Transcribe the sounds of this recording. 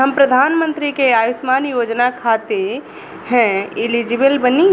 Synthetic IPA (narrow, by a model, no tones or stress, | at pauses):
ɦəmpɾəd̪ʱaːnmə̃nt̪ɾikeaːjʊsmaːnjoːd͡ʒnakʰaːt̪e | hɛ̃ɪlid͡ʒɪbəlbəni